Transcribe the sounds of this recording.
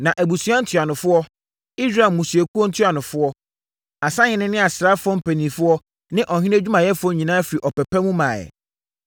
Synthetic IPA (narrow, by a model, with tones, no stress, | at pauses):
nã˨ʔæ˨bu˨sa˦n̩˦tʰɥa˨nʊ̃˨fʊ˦ɔ˦ | i˦sɾa˨mũ˨su˨e˨ku˦ɔ˦n̩˦tʰɥa˨nʊ̃˨fʊ˦ɔ˦ | a˨sã˦ɲɪ̃˦nɪ̃˦nɪ̃˦a˨sɾa˦fʊ˦ɔ̃˦m̩˦pʰæ˨nĩ˨fʊ˦ɔ˦ | nɪ̃˦ʔɔ˨hĩ˦ne˦d͡ʑᶣu˦mã˨jɛ˦fʊ˦ɔ˦ɲĩ˨nãː˦fɪ˨ɾi˨ʔɔ˨pɛ˨pɛ˦mũ˦mãː˨jɛ̰˨